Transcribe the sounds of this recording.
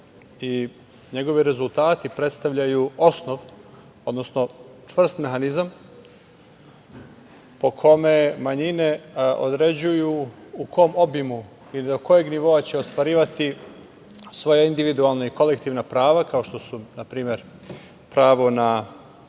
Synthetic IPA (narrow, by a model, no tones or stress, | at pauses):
i | ɲe̞ɡo̞ʋiɾe̞zulˠt̪aːt̪ipɾe̞t̪st̪aʋʎajuo̞sno̞ʋ | od̪nosno̞t͡ʂʋr̩st̪me̞ɦanizam | po̞kʰo̞memaɲine̞o̞̰d̪ɾe̞d͡ʑujuukʰo̞mo̞bimu | ilid̪oko̞je̞ɡniʋo̞at͡ɕe̞o̞st̪ʋaɾiːʋat̪i | sʋo̞jaind̪iʋid̪ualˠnaiko̞lekt̪iːʋnapɾaːʋakaoʃt̪o̞sunapɾiːme̞ɾ | pɾaːʋo̞na